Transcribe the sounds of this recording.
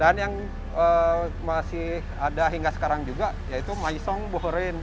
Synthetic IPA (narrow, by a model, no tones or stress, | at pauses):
danjaŋ | əːmasɪhadaɦiŋɡasə̥kaɾaŋd͡ʒuɡajait̪umaisɔŋboɦəɾɪn